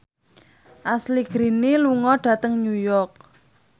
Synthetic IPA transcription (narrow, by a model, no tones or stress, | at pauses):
ʔasliɡ̥ɾiniluŋɔɖ̥ä̤t̪əŋnujɔrk̚